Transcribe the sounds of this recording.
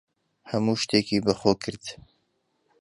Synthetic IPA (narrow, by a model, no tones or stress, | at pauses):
hɐmuːʃt̪eːkʰiːbɐxoːkʰɨɾd̪̥